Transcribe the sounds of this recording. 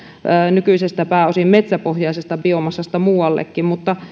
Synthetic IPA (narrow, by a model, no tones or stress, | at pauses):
əːnykyisest̪æpæːosimmet̪sæpohjɑisest̪ɑpiomɑsːɑst̪ɑmuːɑlːḛkːimmut̪ːɑ